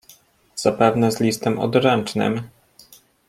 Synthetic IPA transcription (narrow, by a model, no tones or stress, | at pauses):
z̥apɛvnɛzlʲist̪ɛmʔɔ̰d̪ɾɛnt͡ʂnɘ̰m